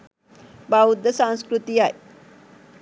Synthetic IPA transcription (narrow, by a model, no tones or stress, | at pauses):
baud̪ːəsãñskɾut̪iːaj